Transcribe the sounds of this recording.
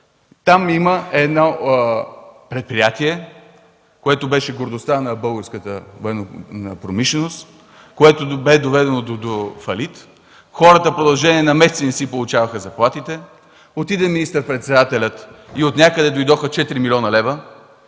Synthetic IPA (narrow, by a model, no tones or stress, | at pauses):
t̪amiməɛd̪nɔ | pɾɛt̪̚pɾijat̪iɛ | koɛt̪obɛʃɛɡoɾd̪ost̪anɐbɤlˠɡəɾskət̪əvoɛnonəpɾomiʃlɛnost̪ | koɛt̪obɛd̪ovɛd̪ɛnod̪od̪ofɐlit̪ | xɔɾət̪əfpɾod̪ɐlˠʒɛniɛnɐmɛsɛt̪sinɛsipolˠut͡ʃavəxəzɐplˠat̪it̪ɛ | ot̪id̪ɛminist̪əɾpɾɛt̪sɛd̪at̪ɛlʲət̪iot̪nʲakəd̪ɛd̪ojd̪ɔxət͡ʃɛt̪ɾimilʲɔnɐlɛvə